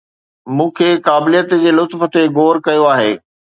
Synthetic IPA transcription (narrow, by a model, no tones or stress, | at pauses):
mũːkʰeːkaːbɪlijət̪d͡ʑeːlʊt̪fə̆t̪eɡoːɾkɐjoaːɦḛː